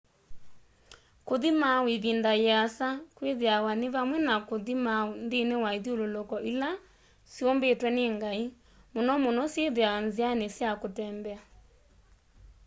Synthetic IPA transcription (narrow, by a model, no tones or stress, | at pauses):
koðimaweβindajasakweðeawaneβamwɛnakoðimaondenewaiðiololɔkɔʔila | siombetwɛneːŋɡai | monɔmonɔsjeðeawanzianesjakotɛːmbɛa